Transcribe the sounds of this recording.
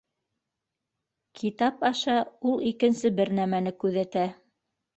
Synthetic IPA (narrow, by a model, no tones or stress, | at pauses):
kʰit̪ɑpɑʃɑulˠikɘ̆nsɘbɘɾnæmænɘkʉðæt̪æ